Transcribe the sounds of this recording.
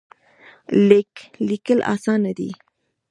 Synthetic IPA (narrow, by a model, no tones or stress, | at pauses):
leklikəlʔɑ̰sɑnːad̪ḭ